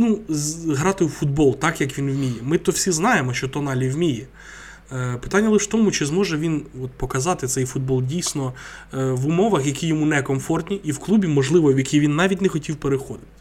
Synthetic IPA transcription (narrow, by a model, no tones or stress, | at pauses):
nuɦɾɑt̪ɪufud̪bɔlˠt̪ɑkjɐkʋʲinwmʲijɛmɪt̪ɔwsʲiznɑjemɔʃt͡ʃɔt̪ɔnɑlʲiwmʲijɛ | pɪ̥t̪ɑnʲːɐlˠɪʃt̪ɔmut͡ʃɪzmɔʒɛʋʲinɔt̪pɔkɐzɑt̪ɪt̪sɛjfud̪̚bɔlˠdʲijsʲnɔ | ʋʊmɔʋɐxjɐkʲijɔmunɛkɔmfɔrt̪ʲnʲiʔiwklˠubʲimɔʒlˠɪʋɔʋjɐkʲiʋʲinːɑʋʲitʲnɛxɔtʲiwpeɾɪxɔd̪ɪt̪ɪ̥